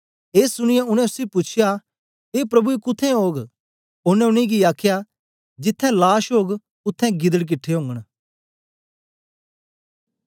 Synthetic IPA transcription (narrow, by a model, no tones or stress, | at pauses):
eːsʊɽ̃ɪjaʊɽ̃ɛ̃ʊseopʊt͡ʃʰɪja | eːpɾɐbuikʊt̪ʰːɛ̃ɦoːɡ | ʊnɛ̃ʊɽ̃iɡiaːkʰja | d͡ʒɪt̪ʰːɛ̃laːʃɦoːɡ | ʊt̪ʰːɛ̃ɡɪd̪əɽk̬ɪʈʰːeɦõːŋɡəɽ̃